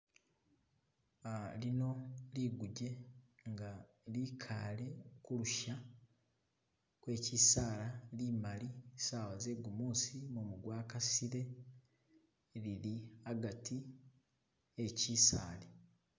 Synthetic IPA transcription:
alino̞liɡuɟe̞ŋɡa | likʰa̰ːle̞kuluʃa | kwe̞ːcisaːlalimalisaːβaze̞ɡumuːsimumuɡwaːkasiɾe̞ | liɾiaɡatʰi | eciːsa̰ːle

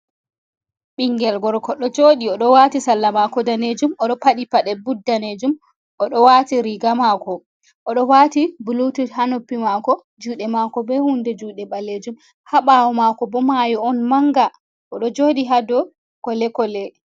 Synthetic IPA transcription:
ɓiŋɡɛlɡɔɾkɔɗɔd͡ʒoːɗiɔɗɔwatisalːamakɔdaned͡ʒumɔɗɔpaɗipaɗɛbudːaned͡ʒum | ʔɔɗɔwatiɾiɡamakɔ | ʔɔɗɔwatibulutuhanopːimakɔ | d͡ʒuːɗɛmakɔbɛhundɛd͡ʒuːɗɛɓaled͡ʒum | haɓawɔmakɔbɔmajɔɔnmaŋɡa | ʔɔɗɔd͡ʒoɗiɦadɔ | kɔlɛkɔlɛ

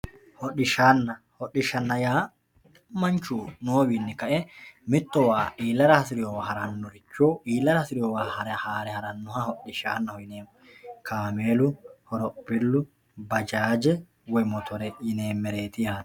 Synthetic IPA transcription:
hɔɗɪʃaːnːɐhɔɗɪʃɐnːɐjaː | mɐnt͡ʃuːnoːwiːnːɛkɐʔɛmɪt̪ːɔwaːʔiːlːɐɾɐhɐsɪɾɪjɔwahɐɾɐnːɔɾɪt͡ʃːoːʔiːlːɐɾɐhɐsɪɾɪjɔwaːhɐɾɛhaːɾɛhɐɾɐnːʊhahɔɗɪʃa̰ːnːɐhɔjɪneːm | kʰaːmeːlʊhɔɾɔbɪlːʊ | bɐd͡ʒaːd͡ʒɛ | wɔjmɔt̪ʰɔɾɛjɪne̞ːmːɛɾe̞ːt̪ɪjaːnɐ

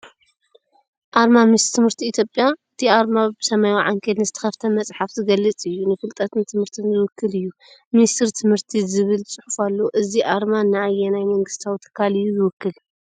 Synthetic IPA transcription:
ʔaɾmamist̪ʰɨmhɨɾt̪ʰiːt̪ʰjopʼjaɨt̪ʰiaɾmabɨsɐmajwaʕaŋkʰet̪nɨzɨt̪ʰɐ̥xɐft̪ʰɐmɐt͡sʼħafzɨɡɐlːɨt͡sʼɨjːunɨfɨlt̪ʼɐt̪ʰɨnt̪ʰɨmhɨɾt̪ʰɨnzɨwɨkʰːɨlɨjːu | mɨnist̪ʰɨɾt̪ʰɨmhɨɾt̪ʰizɨβɨlt͡sʼɨħufalːoʔɨziʔaɾmanaʔajːɛnajmɐŋɡɨst̪ʰawt̪ʰɐ̥kʰːalɨjːuzɨwʊkːɨl

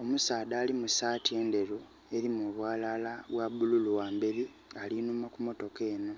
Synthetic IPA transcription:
o̞musaːdaːlimusaːtie̞nde̞ɾu | e̞ɾimuβwaːlalaβwaβululuwaːmbeɾi | alinumakumo̞to̞ke̞ːno̞

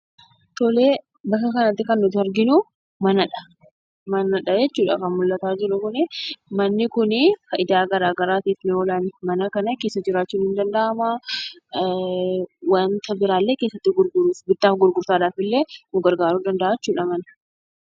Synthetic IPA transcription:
t̪ɔleː | bɐkːɐkɐnɐt̪ːɪkɐnːʊt̪ɪɐɾɡɪnʊ | mɐnɐᶑɐ̥ | mɐnɐᶑɐd͡ʒɛt͡ʃːuːᶑɐ̰kɐnmʊlːɐt̪aːd͡ʒɪɾʊkʊnɪmɐnːɪkʊnɪkɐʔɪd̪aːɡɐɾaːɡɐɾaːt̪iːfnɪɔlaːnmɐnɐkɐnɐke̞ːsːɐd͡ʒɪɾaːt͡ʃːuːnhɪnd̪ɐnd̪ɐʔɐma | want̪ɐbɪɾaːlːeːke̞ːsːɐt̪ːɪɡʊɾɡʊɾusbɪt̪ːaːfɡʊɾɡʊɾsaːd̪aːfɪlːeːnʊɡɐɾɡaːɾuːd̪ɐnd̪ɐʔaːt͡ʃːuːᶑɐmɐnɐ̥

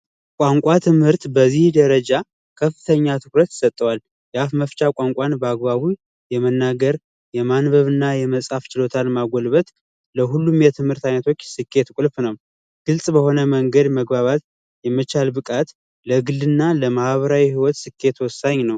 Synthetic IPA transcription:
kʷʼaŋkʷʼat̪ʰɨmhɨɾt̪bəzihd̪əɾəd͡ʒa | kʰəfːɨt̪ʰəɲːat̪ʰɨkɾət̪jsət̪ʼːəwal | jafməft͡ʃʼakʷʼaŋkʷʼanbəaɡ̚baβu | jɛmənːaɡəɾ | jɛmanbəβɨnːajɛməsʼhaft͡ʃɪlo̞t̪ʰalmaɡʷɔlβət̪ | ləɦulːumjɛt̪ʰɨmhɨɾt̪ʰajnət̪ʰo̞t͡ʃːsɨkʰːe̞t̪kʷʼʊlfnəw | ɡ̥ɨlsʼbəho̞nəməŋɡəd̪məɡbaβat̪ | jɛmːət͡ʃalbɨkʼat̪ | ləɡɨld̪ɨnːaləmaʔβəɾawihiwɔt̪sɨkʰːe̞t̪wɔsːaɲnəw

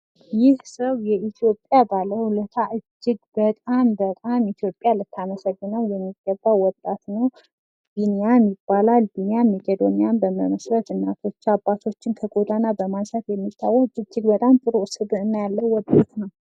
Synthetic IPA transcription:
jɪhsəwjɛʔit̪ʰjo̞pʼjabalːəhulət̪ʰaʔɨd͡ʒːɪɡbət̪ʼambət̪ʼamit̪ʰjo̞pʼjalɨt̪ʰːaməsəɡːɨnəwjɛmːiɡːəbːawɔt̪ʼːat̪nəw | ɡ̪̥inejamjɪbːalalɡinejamːiɡəd̪onjanbəməməsɾət̪ɨnːat̪ʰo̞t͡ʃːabːat̪ʰo̞t͡ʃːɪnkʰəɡʼod̪anabəmansət̪jɛmːit̪ʰːawːɔɨd͡ʒːɪɡbət̪ʼamt̪ʼɨɾoʔsɨβɨnːajalːəwːɔd̪ot̪nəw

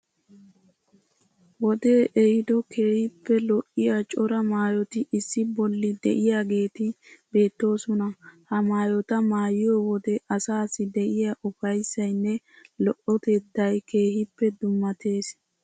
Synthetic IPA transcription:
wɔd̪e̞ːʔɛhɪd̪ɔke̞ːhɪpːɛlɔʔɪjat͡ʃʼɔɾɐmaːjɔt̪ɪʔɪsːɪbɔlːɪd̪ɛ̰ʔɪjaːɡe̞ːt̪ɪ | be̞ːt̪ːo̞ːsɔnɐhɐmaːjɔt̪ɐmaːjɪjɔwɔd̪ɛʔɐsaːsɪd̪ɛʔɪjaʔʊfɐjsːɐjnːɛ | lɔʔɔt̪ɛd̪ːɐjke̞ːhɪpːɛd̪ʊmːɐt̪e̞ːs

